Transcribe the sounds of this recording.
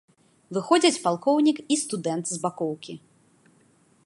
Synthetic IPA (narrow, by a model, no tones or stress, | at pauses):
vɨxɔd͡zʲɐt͡sʲpalˠkɔwnʲikist̪ud̪ɛnt̪zbakɔwkʲi